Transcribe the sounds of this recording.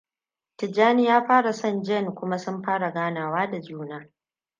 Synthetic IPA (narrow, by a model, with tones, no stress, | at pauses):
tɪ˨d͡ʒaː˦ni˦jaː˦ɸaː˦ɽa˨sɐ˦nd͡ʒɛ˦˨nkʷʊ˦ma˦sʊ˦mɸaː˦ɽa˨ɡaː˦naː˨waː˦da˨d͡ʒuː˦naː˦